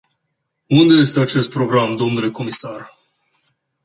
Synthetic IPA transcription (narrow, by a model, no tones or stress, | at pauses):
und̪e̞je̞st̪e̞at͡ʃe̞st̪̚pɾo̞ɡɾamd̪o̞mnule̞ko̞misar